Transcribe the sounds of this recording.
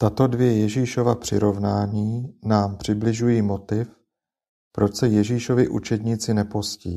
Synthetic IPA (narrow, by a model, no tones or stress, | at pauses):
t̪at̪o̞dvɪɛjɛʒiːʃo̞vapr̝̥ɪɾo̞vnaːɲiːnaːmpr̝̥ɪblɪʒujiːmo̞t̪ɪf | pɾo̞t͡ʃsɛjɛʒiːʃo̞vɪʔṵt͡ʃɛd̪ɲɪt͡sɪnɛposciː